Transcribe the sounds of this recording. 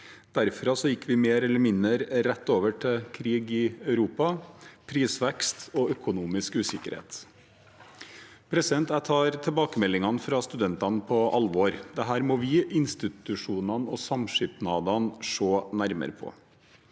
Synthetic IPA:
d̪̥æɾfɾɑsɔjɪkːʋɪmeːɾɛlːəɾmɪnd̪əɾːɛt̪ːoːʋəʈʰɪkʰɾiːɡɪœʉɾuːpɑpʰɾiːsʋɛkst̪ɔːœkʊnuːmɪskʉːsɪkəɾhḛːt̪ | pʰɾɛsɪd̪ɛnt̪æt̪ʰɑːɾt̪ʰɛlbɑːkəmɛlːɪŋɑnfɾɑst̪ʉd̪ɛnt̪ɑnpʰɔʔɑlʋoːɾd̪ɛɦæːɾmoːʋɪɪnst̪ɪt̪ʉʂuːnɑnɔsɑmʂʏp̪nɑːd̪ɑnʂoːnæɾmə̰ɾəpʰɔ̰

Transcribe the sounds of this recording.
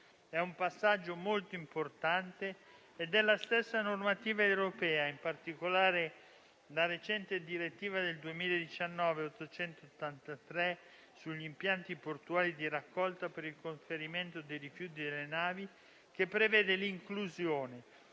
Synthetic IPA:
ɛumpasːad͡ʒːomolt̪oimport̪ant̪eː | d̪ɛlast̪esːanormat̪iːvaewɾopɛːaimpart̪ikolaːɾe | laɾet͡ʃɛnt̪ed̪iɾet̪ːiːvad̪eld̪uemiːled̪it͡ʃanːɔːveot̪ːot͡ʃɛnt̪oot̪ːant̪at̪ɾɛ | suʎːimpjant̪iport̪uaːlid̪iɾakːɔlt̪apeɾilkoɱfeɾiment̪od̪ejrifjuːt̪̬id̪elːenaːvi | k̟epːɾevɛːd̪eliŋkluzjoːne

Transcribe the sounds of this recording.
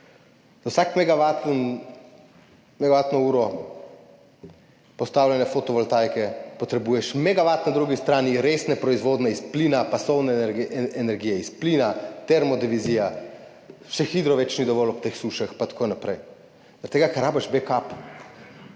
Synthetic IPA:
zawsakmɛɡaʋat̪n | mɛɡaʋat̪nɔuːɾɔ | pɔst̪aːwlʲjɛnɛfot̪ɔʋɔlt̪ajkɛpɔt̪ɾɛbuːjɛʃmɛɡaʋaːt̪nad̪ɾuɡist̪ɾaːniɾesnɛpɾɔizʋoːd̪nɛispliːnapasɔwnɛɛnɛɾɡiːjɛisplinat̪ɛɾmɔd̪iʋizija | ʃɛxid̪ɾɔʋɛt͡ʃnid̪ɔʋɔlɔpt̪exsuʃaxpat̪ḁkonapɾɛj | zaɾt̪eːɡakɛɾːaːbɛʃbekap

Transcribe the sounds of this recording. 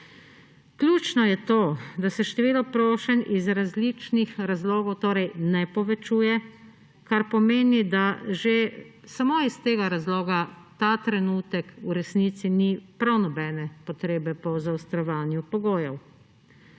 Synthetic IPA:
klʲjuːt͡ʃnɔjɛt̪oːd̪asɛʃt̪ɛʋiːlɔpɾoːʃɛnizɾazlit͡ʃnixɾazloːɡɔwt̪oːɾɛjnɛpɔʋɛt͡ʃuːjɛ | kaɾpɔmeːnid̪aʒesamoist̪eːɡaɾazloːɡat̪aːt̪ɾɛnut̪ɛkuɾɛsnit̪sinipɾawnɔbɛːnɛpɔt̪ɾeːbɛpɔzawst̪ɾɔʋaːnjupɔɡoːjɛw

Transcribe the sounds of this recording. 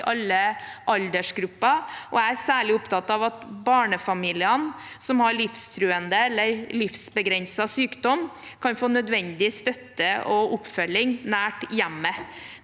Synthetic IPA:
ʔɑlːəʔɑld̪əʂɡɾʉpːɑʔɔææɾsæːɭɪʊpt̪ɑt̪ːɑʋɑt̪bɑːɳəfɑmiːlɪən | sɔmhɑɾɭɪfst̪ʰɾʉːənd̪əɛlːəɾlɪfsbəɡɾɛnsɑsyːkd̪ɔm | kʰɑnfoːnœd̪ʋɛnd̪ɪst̪œt̪ːəʔɔʔʊpfœlːɪŋnæːʈjæmːə

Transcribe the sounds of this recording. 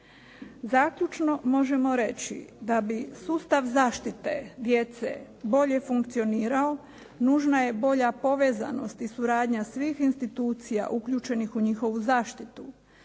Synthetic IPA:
zaːkʎut͡ʃno̞mo̞ʒe̞mo̞ɾe̞t͡ɕḭd̪abisuːst̪aʋzaːʃt̪it̪e̞̰d̪je̞t̪se̞̰ | bo̞ʎe̞fuŋkt̪sio̞niːɾao̞ | nuːʒnaje̞bo̞ʎapo̞ʋe̞ːza̰no̞̰st̪isuɾaːd̪ɲasʋiːxinst̪it̪uːt̪sija̰ʔukʎuːt͡ʃe̞nixuɲixo̞ʋuzaːʃt̪it̪u

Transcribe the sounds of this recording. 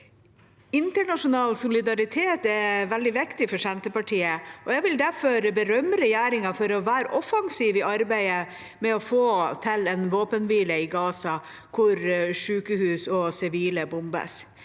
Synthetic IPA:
ɪnt̪əɳɑʂʊnɑːlsʊlɪd̪ɑɾɪt̪ʰeːt̪ɛʋɛld̪ɪʋɪkt̪ɪfɔʂɛnt̪əpɑʈʰiːəɔjæɡʋɪld̪æɾfɔɾbəɾœmɾɛjæːɾɪŋɑfɔɾɔʋæːɾ̰ʔɔfɑŋsiːʋɪʔɑɾbæɪə | mɛɔfoːt̪ʰɪlɛnʋoːpənʋiːləɪɡɑːsɑ | kʰʊɾʂʉːkəhʉːsɔsɪʋiːləbʊmbə̰s

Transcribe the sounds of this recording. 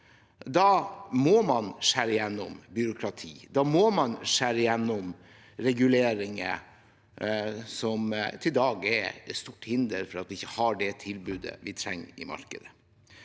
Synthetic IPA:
d̪ɑːmɔmɑnʂæɾəɪjɛnːɔ̰mbʏɾʊkʰɾɑt̪ʰḭːd̪ɑmɔmɑnʂæɾəjɛnːɔm | ɾɛɡʉleːɾɪŋə̰ | sɔmt̪ʰɪld̪ɑːɡɛ̰ɾt̪st̪uːʈhɪnd̪əɾfɔɾɑt̪ʋɪɪçːəhɑɖɛt̪ʰɪlbʉːd̪ə̰ʋɪt̪ʰɾɛŋːɪ̰mɑ̰ɾkəd̪ə

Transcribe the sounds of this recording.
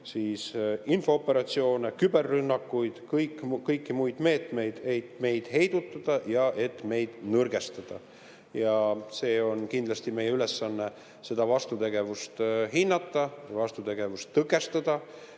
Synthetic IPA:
siːsinfo̞opːˑe̞ɾɑt̪sio̞ːnekybe̞rːynːɑkːujd̪̥kɤjkːkɤjkːimujd̪̥me̞ːt̪me̞jd̪̥e̞jt̪me̞jd̪̥he̞jd̪̥ut̪ːˑɑd̪̥ɑjɑʔe̞t̪ːme̞jd̪̥nɤrɡ̥e̞st̪ɑd̪̥ɑ̰ | jɑse̞ːo̞nkind̪lɑst̪ime̞jeyle̞sːɑnːe | se̞d̪̥ɑvɑst̪ut̪e̞ɡ̥e̞vust̪ɦinːɑt̪ːˑɑvɑst̪ut̪e̞ɡ̥e̞vust̪ːɤkːˑe̞st̪ɑd̪̥ɑ

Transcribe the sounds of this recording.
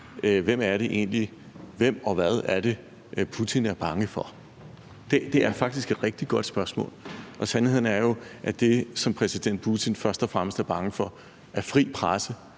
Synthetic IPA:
ʋem̰æɐɾe̝ʔe̝̰nli | ʋem̰ɒ̽ʋæð̞ˠæɐɾ̥e̝ | pʰut͡sʰinæɐb̥ɑ̈ŋəfɒ̽ | d̥e̝d̥e̝æɐfɑ̈ɡ̥d̥isɡ̥e̝d̥ʁɛɡ̥̚d̥iɡ̥ɒ̽d̥sb̥ɶɐsmɔ̰̽ːlʔɒ̽sænhe̝ð̰ˠn̩æɐjo̝ʔæd̥e̝sɒ̽mpʰʁɛsid̥en̰d̥̚pʰut͡sʰinfɶɐsd̥ɒfʁam̰əsd̥æɐb̥ɑ̈ŋəfɒ̽ | ʔæɐfʁḭːpʰʁasə

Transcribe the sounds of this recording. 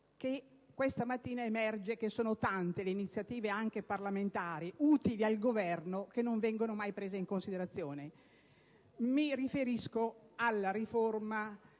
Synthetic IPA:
k̟e | kːwest̪amat̪ːiːnaemɛrd͡ʒek̟esːoːnot̪ant̪eleinit̪sːjat̪iːveaŋk̟eparlament̪aːɾiuːt̪ilialɡovɛrnokenːoɱvɛŋɡonomajpɾeːzeiŋkonsid̪eɾat̪sːjoːne | mirifeɾiskoalːaɾiforma

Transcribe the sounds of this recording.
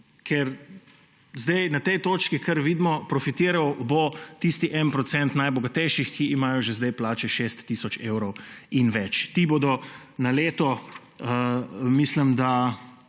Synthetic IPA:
kʰɛɾ | zd̪ɛjnat̪ɛjt̪oːt͡ʃkikʰɐɾʋiːd̪mɔpɾɔfit̪iːɾawbot̪ist̪iʔɛnpɾɔt̪sɛnt̪najbɔɡat̪ɛjʃixkiʔːmaːjɔʒezd̪əjplaːt͡ʃɛʃest̪ːisɔt͡ʃeːwɾɔwinʋɛt͡ʃt̪ibod̪ɔnaleːt̪ɔ | mislimd̪a

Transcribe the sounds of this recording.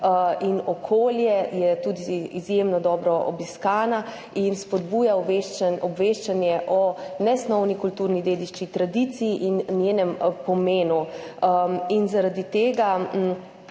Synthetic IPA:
ʔinɔkʰoːljɛjɛt̪uːd̪iizjemnɔd̪ɔːbɾɔʔɔ̰biskaːna | inspɔd̪buːjaeʔɔbʋeʃt͡ʃanjɛʔɔnɛsnɔwnikult̪uːɾnid̪eːd̪iʃt͡ʃit̪ɾad̪it̪sijiʔinnjeːnɛmpɔmeːnu | inzaɾad̪it̪eːɡa

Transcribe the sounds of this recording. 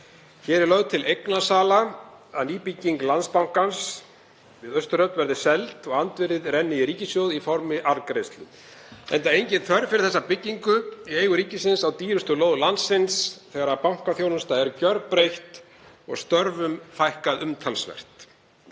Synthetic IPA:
çɛːɾɛɾlœɣðt̪ʰɪlejknasaːlaaðniːpicːiŋklanspawŋ̥kans | vɪðœst̪ʏɾœpnvɛɾðɪsɛlt̪ɔɣant̪vɪɾɪðrɛnːɪiɾiːcɪsjoːwðifɔɾmɪʔaɾkɾejst̪lʏ̰ | ɛ̰nt̪aejɲcɪnθʰœɾfɪɾɪɾθɛsːapɪcːiŋkʏieːjɣʏɾiːcɪsɪnsawt̪iːɾʏst̪ʏloːwðlansɪnsθɛːɣɾapawŋ̥kaθjownʏnst̪aɛɾcœɾpɾejht̪ | ɔ̰ɣst̪œɾvʏmfajhkaðʏmt̪ʰalsvɛ̰r̥t̪

